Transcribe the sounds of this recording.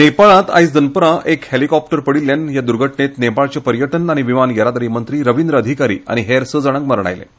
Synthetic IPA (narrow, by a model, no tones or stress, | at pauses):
nepaɭãt̪a̰jsd͡z̪ənpəɾaʔekhelikɔp̚ʈəɾpəɽilːjanjad̪uɾɡʱəʈɳet̪nepaɭt͡ɕepəɾjəʈənaɽ̃iʋimanjəɾad̪əɾimənt̪ɾiːɾəʋind̪ɾəəd̪ʱikaɾḭːa̰ɽ̃iɦeɾsəd͡zəɽ̃əkməɾɳa̰jlḛ